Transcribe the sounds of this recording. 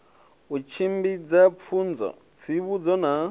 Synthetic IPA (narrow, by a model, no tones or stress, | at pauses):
ut͡ʃʰimbid͡zap̪fʰund͡zɔ̰ | t͡sʰiβud͡zɔna